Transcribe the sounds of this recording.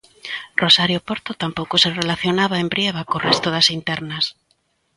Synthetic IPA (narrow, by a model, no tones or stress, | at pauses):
rosaɾjopoɾt̪ot̪ampowkʊserelaθjonaβaembɾjeβ̞akorɛst̪oðɐsint̪ɛɾnɐs